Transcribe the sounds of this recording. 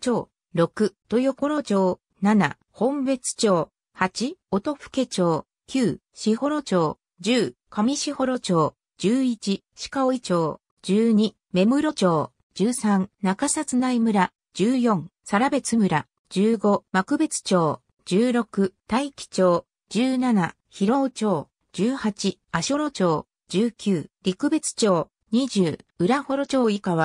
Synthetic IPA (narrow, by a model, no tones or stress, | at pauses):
t͡ɕoː | ɾo̞kɯ̟t̪o̞joko̞ɾo̞t͡ɕo̞ː | nana̰ | hõ̞mbe̞t͡sɨ̥t͡ɕo̞ː | hat͡ɕiot̪o̞ɸɯ̥ke̞t͡ɕo̞ː | kʲɨː | ɕiho̞ɾo̞t͡ɕo̞ː | d͡ʑɨːkamʲiɕiho̞ɾo̞t͡ɕo̞ː | d͡ʑɨːit͡ɕi | ɕi̥kaoit͡ɕo̞ː | d͡ʑɨːɲ̟i | me̞mɯ̟ɾo̞t͡ɕo̞ː | d͡ʑɨːsãnnakasat͡sɨnaimɯ̟ɾa | d͡ʑ̥ɨːjõ̞ŋsaɾabe̞t͡sɨmɯ̟ɾa | d͡ʑɨːɡo̞makɯ̟be̞t͡sɨ̥t͡ɕo̞ː | d͡ʑɨːɾo̞kɯ̟t̪aikʲi̥t͡ɕo̞ː | d͡ʑɨːnana | çiɾo̞ːt͡ɕo̞ː | d͡ʑɨːhat͡ɕi | aɕioɾo̞t͡ɕo̞ː | d͡ʑɨːkʲɨːɾʲikɯ̟be̞t͡sɨ̥t͡ɕo̞ː | ɲiʑɨːɯ̟ɾaho̞ɾo̞t͡ɕo̞ːikaβa